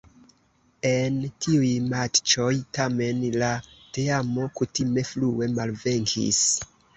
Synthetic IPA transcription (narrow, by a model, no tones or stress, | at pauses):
e̞ntiujmat͡ʃo̞jtame̞nlateamo̞kutime̞flue̞malve̞ŋkʰḭs